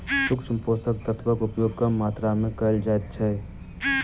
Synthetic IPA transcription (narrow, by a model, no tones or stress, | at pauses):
sʊkt͡ʃʰmpoːsək̚t̪ət̪ʰbəkʊpjoːɡkəmaːt̪ɾamẽkəld͡ʒaːɛt̪̚t͡ʃʰɛː